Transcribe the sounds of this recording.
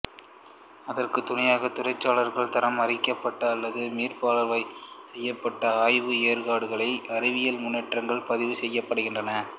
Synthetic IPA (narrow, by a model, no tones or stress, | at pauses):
ɐðɐrkɯt̪ːʊnɐjaːɣɐt̪ːʊrɐɪt͡ʃːaːɭɐɾɣɐɭt̪ɐɾɐmɐrɪkːɐpːɐʈːɐːlːɐðɯmiːrpaːlɐɾʋɐɪsɛjːɐpːɐʈːɐaːjʋɯeːɾɣaːɽɯɣɐɭɐɪʔɐɾɪʋɪjɐlmʊnːɛʈrɐŋɡɐɭpɐðɪʋɯsɛjːɐpːɐɽɯɣɪndrɐnɐ